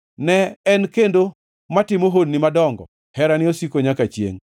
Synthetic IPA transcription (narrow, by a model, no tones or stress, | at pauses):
nɛːnkendo | matɪmoɦodnɪmadɔŋɡɔ̰ | hɛɾanɪosikoɲakat͡ʃjḛŋ